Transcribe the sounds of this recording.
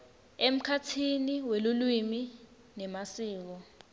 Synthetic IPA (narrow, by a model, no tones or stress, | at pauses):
em̩kʰatʰiniwelulwimi | nɛmasiːk̬ɔ